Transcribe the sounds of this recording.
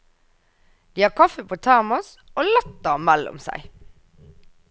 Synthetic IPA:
d̪̥iːhɑːkʰɑfəpʰoːt̪ʰæʁmʊs | ʔoːlɔt̪əmælʊ̰msæ̰ɪ

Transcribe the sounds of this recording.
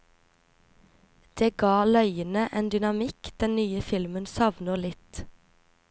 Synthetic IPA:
d̪̥eːɡɑːlœʏənəʔeːnd̪ʏnɑmɪkd̪̥ɛnnyːəfɪlmənsɑʋnəʁlɪt̪

